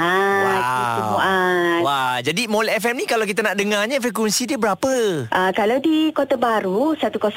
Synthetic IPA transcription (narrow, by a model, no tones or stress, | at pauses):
ait̪umuawad͡ʒadimolɛɛfɛmnĩkalawkit̪̬anaʔdəŋaɲãfɾek̬ɛnsidiəbəɾapəʔəkalawdikot̪abaɾusat̪ukos